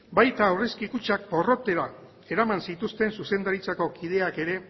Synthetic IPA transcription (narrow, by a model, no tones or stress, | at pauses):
bajt̪aːureskikut͡ʃak̚po̞ro̞t̪e̞ɾa | e̞ɾamansit̪ust̪e̞nsusend̪aɾit͡sako̞kið̞e̞ake̞ɾe̞